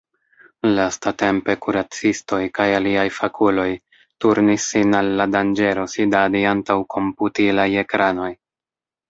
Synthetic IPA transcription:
lastate̞mpe̞kuɾat͡sisto̞jkajaliajfakʰulo̞j | tuɾnisːinalːadand͡ʒe̞ɾo̞sidadiantawkʰo̞mputilaje̞kɾano̞j

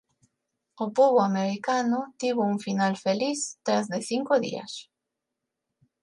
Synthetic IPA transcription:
opoβoameɾikanʊt̪iβouŋfinalfeliθt̪ɾazðeθiŋkoðḭɐ̰s

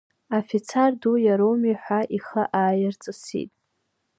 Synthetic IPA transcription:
afit͡sʰardujaɾowmiħʷaʔiχəʔaːjɪrt͡sʼɨsḭtʼ

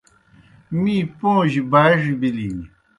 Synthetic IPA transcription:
miːpõːʑibaːʐibili

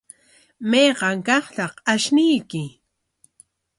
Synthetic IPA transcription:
mejɢɑŋkɑχt̪ɑχaʃnɪjkɪ

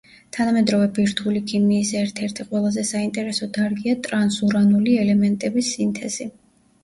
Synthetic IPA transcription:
t̪ʰanamɛd̪ɾɔvɛbiɾt̪ʰulikʰimiːsɛɾt̪ʰɛɾt̪ʰiqʼwɛlˠazɛsaint̪ʼɛɾɛsɔd̪aɾɡiat̪ʼɾansuɾanuliɛlɛmɛnt̪ʼɛbisːint̪ʰɛz̥i

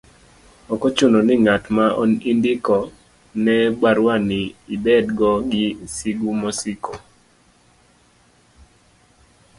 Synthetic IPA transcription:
ɔkɔt͡ʃʊnɔnɪŋatmaɔ̰nindɪkɔ | nɛbaɾwanɪibɛdɡɔɡɪsiɡumɔsikʰo

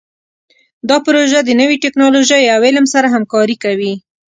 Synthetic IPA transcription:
d̪ɑpɾoʒad̪ənəwiʈɪknɑloʒəjaweləmsaɾaɦamkɑɾikawi

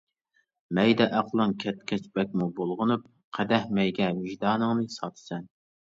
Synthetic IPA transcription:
mɛjd̪ɛʔæqlˠɨŋkʲʰɛt̪kʲɛt͡ʃbɛk̚ʲmubolˠʁʊnup̚ | qʰɛd̪ɛhmɛjɡʲɛvɪʒd̪ɑːnɨŋnɨsɑt̪ʰɨ̥sɛn

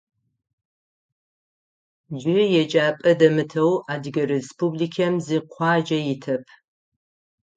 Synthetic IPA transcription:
d͡ʒɪjɛd͡ʒʼaːpʼɐdɐmɨtʰɐwaːdɡɐɾespʰublikʰɐmziqʷʰɑːd͡ʒɐjɪtʰɐpʰ

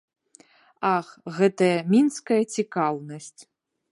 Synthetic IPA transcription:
axɣɛt̪ɐjɐmʲinskɐjɐt͡sʲikawnɐsʲt͡sʲ

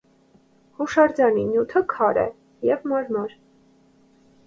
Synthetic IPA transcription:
huʃɑɾd͡zɑninjut̪ʰəkʰɑɾɛ̰ | jɛvmɑɾmɔɾ

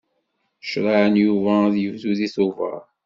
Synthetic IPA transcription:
ʃɾˤɑʕənjuvæðjəvzuðiθʊvə̰ɾˤ

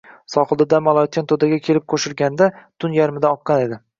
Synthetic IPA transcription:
sɒχɨlˠd̪ɪd̪amalˠɒt̪̚t͡ʃʰant̪ʰod̪aɡʲakʲʰe̞lɪp̚qʰoʃɪɾɡʲand̪at̪ʰʊnjaɾmɪd̪aɒqːɑne̞d̪ɪ

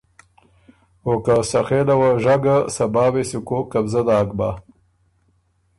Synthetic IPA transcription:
okasaxelawaʒaɡasabɑːwesikokːabzad̪aːk̚ba

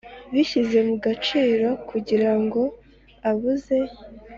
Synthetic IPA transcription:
βiçize̞muɡat͡ʃiːɾo̞kʰuɟiɾaŋɡo̞ | aβuze̞

